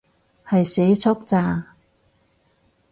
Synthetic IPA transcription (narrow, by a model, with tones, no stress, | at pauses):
hɐ˨jse˨˥jt͡sʰʊ˥k̚t͡saː˨˧